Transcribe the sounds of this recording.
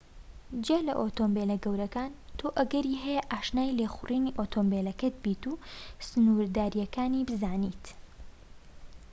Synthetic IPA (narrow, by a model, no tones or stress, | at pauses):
d͡ʒeːlɐ̰ʔoːt̪ombeːlɐɡɐwɾɐkaːnt̪ʰoːʔɐɡɐɾiːɦɛjɛʔaːʃnaːjlexʊrʔiːniːʔot̪ʰoːmbelɐkɐt̪̚biːt̪uːsɨnuɾd̪aːɾijɐkaːniːbɨzaːniːt̪